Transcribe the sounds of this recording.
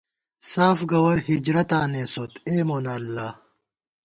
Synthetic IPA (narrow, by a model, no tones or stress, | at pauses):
saːfɡɐwɐɾhid͡ʑɾɐt̪aːneːsot̪eːmoːnaːlːaː